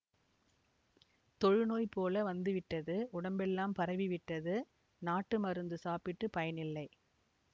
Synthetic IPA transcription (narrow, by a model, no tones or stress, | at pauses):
t̪ɔɻɯnoːjpoːlɐʋɐnd̪ɯʋɪʈːɐðɯʊɽɐmbɛlːaːmpɐɾɐʋiʋɪʈːɐðɯ | naːʈːɯmɐɾɯnd̪ɯsaːpɪʈːɯpɐjɐnɪlːɐɪ